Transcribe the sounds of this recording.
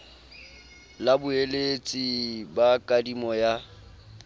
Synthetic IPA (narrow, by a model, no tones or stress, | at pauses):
labʊelet͡sʼibakʼadimɔja